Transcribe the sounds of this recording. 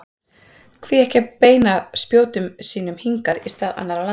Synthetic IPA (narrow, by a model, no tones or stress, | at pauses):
kʰviːɛhcapeːjnaspjoːwt̪ʏmsiːnʏmhiŋkaðist̪aːða̰nːaɾala